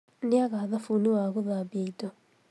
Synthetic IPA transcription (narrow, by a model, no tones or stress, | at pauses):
niaɣaðafuniwaɣuðabeito